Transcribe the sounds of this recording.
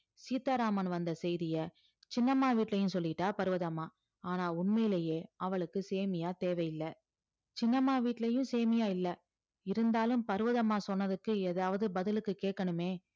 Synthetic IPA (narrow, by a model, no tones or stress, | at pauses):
siːt̪aːɾaːmɐnʋɐnd̪ɐsɛjðɪjɐ | t͡ʃɪnːɐmaːʋiːʈːlɐjɯ̃sɔlːɪʈːaːpɐɾɯʋɐðɐmaː | aːnaːʊɳmɐjɪlɐjeːɐʋɐɭɯkːɯseːmɪjaːt̪eːʋɐjɪlːɐ | t͡ʃɪnːɐmaːʋiːʈːlɐjɯ̃seːmɪjaːɪlːɐ | ɪɾɯnd̪aːlɯmpɐɾɯʋɐðɐmaːsɔnːɐðɯkːɯɛðaːʋɐðɯbɐðɪlɯkːɯkeːʈkːɐɳɯmeː